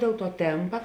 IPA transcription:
dʲeːlˠ tuɔ ˈtʲeːmpɐ

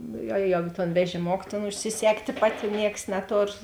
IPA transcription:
ˈnʊ ˈjoː ˈjoː ˈjoː toːn ʋʲɛʒʲɪˈmoːk tʲeːn ʊʃʲsʲɪˈsʲæːktʲeː ˈpɑːtʲɪ ˈnʲiɛks nʲɛˈtoːr

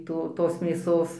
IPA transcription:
ˈtoː toːs mʲeːˈsoːs

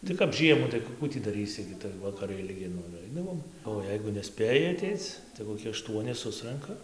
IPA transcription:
tɐɪ kɐp ˈʒʲiɛmuː tɐɪ ˈkʊ ˈkuː tʲiː dɐˈrʲiːsʲɪ ɡʲɪ tɐɪ ʋɐkɐˈrɐɪ ɪlʲˈɡʲɪ ˈnʊ ɪr ˈɐɪdɐʋoːm oː ˈjɛɪɡʊ nʲɛˈsʲpʲeːjɪ ɐˈtʲɛɪt͡s tɐɪ koːˈkʲɪ ɐˈʃtuɔnʲɪ ˈsʊsrɐŋkɐ

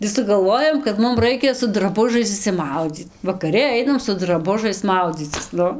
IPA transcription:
ɡʲɪ sʊɡɐlˠˈʋoːjoːm kɐt ˈmʊm ˈrɐɪkʲɛ sʊ drɐˈbʊʒɐɪs ɪʃʲsʲɪˈmɐʊd͡zʲiːt ʋɐkɐˈrʲɪ ˈɐɪnɐm sʊ drɐˈbʊʒɐɪs ˈmɐʊd͡zʲiːt͡sʲɪs ˈnʊ

